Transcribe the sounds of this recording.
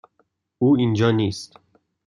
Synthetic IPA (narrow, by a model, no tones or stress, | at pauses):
uːind͡ʒɒːniːst̪